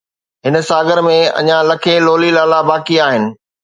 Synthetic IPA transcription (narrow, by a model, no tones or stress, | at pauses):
ɦɪnə̆saːɡəɾmẽɐ̰ɲãlɐkʰeloːlilaːlabaːkiaːɦɪnɪ̆